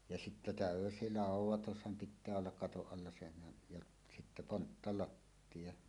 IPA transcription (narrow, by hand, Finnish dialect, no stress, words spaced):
jɑ sitːæ tæˑøsi lɑˑuwˑotushɑm pitˑæː olːɑk kɑtoʔ ʔɑlːɑ senhæn jɑʔ sitːæ pontːɑlɑtːij̆ɑ